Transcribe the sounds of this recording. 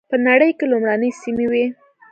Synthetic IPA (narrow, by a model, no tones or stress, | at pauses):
pənaɽəjkelʊmɾanəjsimewi